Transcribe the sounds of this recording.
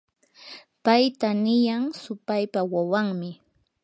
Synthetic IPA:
pajt̪anɪjaŋsʊpajpawawaŋmɪ

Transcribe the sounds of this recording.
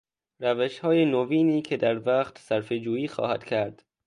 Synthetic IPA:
ɾæveʃhɒːjenoviːniːcʰe̞d̪æɾvæχt̪sæɾfed͡ʒuːiːxɒ̰ːhæ̰d̪̥cʲʰæɾd̪̥

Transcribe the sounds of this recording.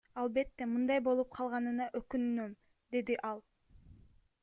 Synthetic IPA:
ɑlˠbe̞t̪ːe̞mɯnd̪ɑjbo̞lˠup̚qʰɑlˠʁɑnɯnɑʔøkynynøm | d̪e̞d̪iʔɑlˠ

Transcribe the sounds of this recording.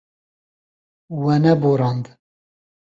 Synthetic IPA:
wɛnɛboɾɑnd̪

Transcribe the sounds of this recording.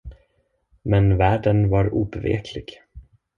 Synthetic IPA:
mɛnvæːɖənvaɾuːbɛvḛːkʰlɪɡ̥

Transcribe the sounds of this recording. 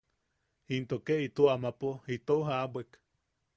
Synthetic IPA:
int̪okeʔit̪uamapoit̪ouɦaabʷek

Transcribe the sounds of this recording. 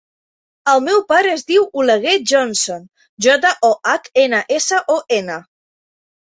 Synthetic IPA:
əlˠmɛwpaɾəːzðiwuləɣ̞eʒɔnson | ʒɔt̪əʔɔʔakenəʔesəʔoʔenə

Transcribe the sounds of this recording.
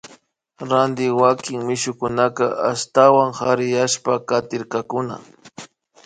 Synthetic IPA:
ɾand̪ɪwakɪŋmɪʃʊkʊnakaʔast̪awaŋhaɾɪjaʃpakat̪ɪɾkakʊna̰

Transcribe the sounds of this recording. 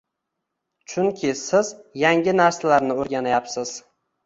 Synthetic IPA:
t͡ʃʰʊŋkʲʰɪsɪzjaŋʲɪnaɾsalaɾnɪoɾɡʲanajapsɪz̥

